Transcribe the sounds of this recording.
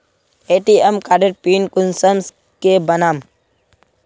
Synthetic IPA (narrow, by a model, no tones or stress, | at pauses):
eːʈiemkaːɖeɾpiːnkʊnsəms | kebɐnaːm